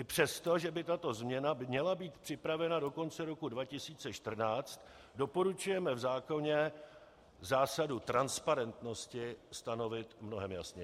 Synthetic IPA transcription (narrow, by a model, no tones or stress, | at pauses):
ʔɪpr̝̥ɛst̪o̞ʒɛbɪt̪at̪o̞zmɲɛnamɲɛlabiːt̪pr̝̥ɪpɾavɛnado̞ko̞nt͡sɛɾo̞kudvacɪsiːt͡sɛʃt̪r̩naːt͡st̪ | do̞po̞ɾut͡ʃujɛmɛvzaːko̞ɲɛ | zaːsadut̪ɾanspaɾɛnt̪no̞scɪst̪ano̞vɪt̪mno̞ɦɛmja̰sɲɛ